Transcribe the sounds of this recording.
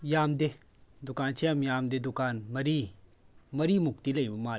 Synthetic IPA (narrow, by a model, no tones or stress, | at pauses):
jaːmd̪e | d̪ʊkaːnt͡ʃʰeɐmjaːmd̪ed̪ʊkaːnmɐɾiː | mɐɾiːmʊkt̪ilɐĩmaː